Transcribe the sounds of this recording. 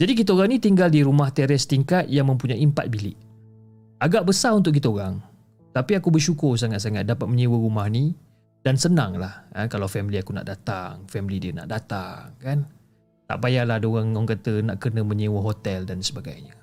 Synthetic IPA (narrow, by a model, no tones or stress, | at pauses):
d͡ʒadik̬it̪əoɾaŋnit̪iŋɡaldiɾumaht̪ɛɾɛst̪iŋkat̪̚jaŋmə̃mpuɲajimpa̰t̪̚bilɪʔ | aɡaʔbəsaɾunt̪̬ʊʔk̬it̪əoɾaŋ | t̪apiakubərʃukʊrs̬aŋat̪̚saŋat̪̚dapat̪̚məɲiwərumahni | d̥ansənãŋlahəkalawfɛmiliakuna̰ʔdat̪a̰ŋfɛmilidiəna̰ʔdat̪a̰ŋkan | t̪a̰ʔbajalahdoɣaŋɔŋkat̪ənaʔkərnəməɲiwəɦot̪ɛldansəbaɡa̰jɲə